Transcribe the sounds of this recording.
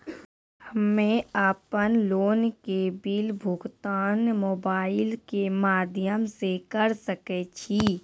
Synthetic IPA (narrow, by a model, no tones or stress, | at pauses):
həmmẽaːpənloːnkebilbʱʊɡt̪aːnmoːbaːɪlkemaːd̪ʱjəmsekəɾsəket͡ʃʰi